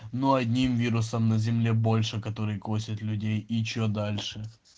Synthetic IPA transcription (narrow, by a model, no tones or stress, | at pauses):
noɐdʲnʲimvʲiɾʊsəmnɐzʲɪmlʲebo̞lʲʂɨkɐt̪o̞ɾɨjko̞sʲɐt̪lʲʉdʲejɪt͡ɕːod̪alʲʂɨ